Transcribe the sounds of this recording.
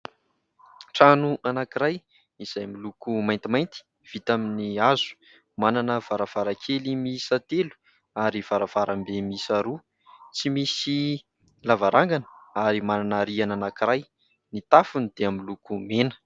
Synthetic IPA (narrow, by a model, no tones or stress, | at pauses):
ʈ͡ʂanuʔanakiɾaj | iz̥ajmilukumajnt̪imajnt̪i̥ | v̥it̪aminiazu̥ | mananəv̥aɾav̥aɾakʰelimisat̪elu̥ | aɾiv̥aɾav̥aɾambemisaɾu | t͡simisi | lavaɾʔaŋɡanə̥aɾimananəɾiananakiɾaj | nit̪afunid̪̥eamilukumenə̥